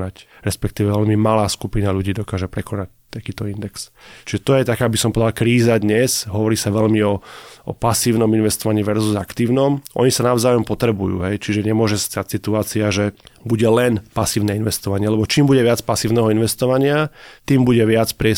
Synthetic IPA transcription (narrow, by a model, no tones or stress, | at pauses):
nacɾɛspɛkt̪iːʋɛʋɛʎmimalaːskupinaʎuɟiːd̪ɔkaːʒɛpɾɛkɔnac̚t̪akiːt̪ɔind̪ɛkst͡ʃiʒɛt̪ɔjɛt̪akaːbisɔmpɔɔd̪alkɾiːzad̪ɲɛzɦɔʋɔɾiːsaʋɛʎmiɔʔɔ̰pasiːʊnɔminʋɛst̪ɔʋaɲiʋɛɾzuzakt̪iːʊnɔmʔɔ̰ɲisanaʊzaːjɔmpɔt̪ɾɛbujṵːɦɛjt͡ʃiʒɛɲɛmʊɔʒɛst̪acsit̪uaːt͡siaʒɛbuɟɛlɛnpasiːʊnɛinʋɛst̪ɔʋaɲɪɛlɛbɔt͡ʃiːmbuɟɛʋɪat͡spasiːʊnɛɦɔinʋɛst̪ɔʋaɲɪat̪iːmbuɟɛʋɪat͡spɾɪɛ